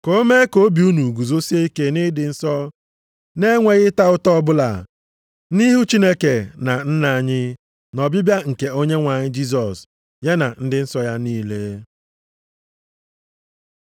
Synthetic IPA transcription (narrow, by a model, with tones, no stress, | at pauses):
ko˦me˦ko˦bi˨u˦nu˨ɡu˨zo˦si˦e˦i˦ke˦nɪ˦dɪ˨n̩˦sɔ˦ | ne˦ŋʷe˨ɣɪ˦ta˦ʊ˦tɔ˦bʊ˦la̰˨ | ni˦ɦu˦t͡ʃi˦ne˦ke˨na˨n̩˦na˨ɲɪ˦ | nɔ˨bʊ˦bja˦ŋ̩˨ke˨o˦ɲe˦ŋʷa˨ɲɪ˦d͡ʒi˦s̬ɔ˨s | je˦na̰˨n̩˦dɪ˦n̩˦sɔ˦ja˦niː˦le˦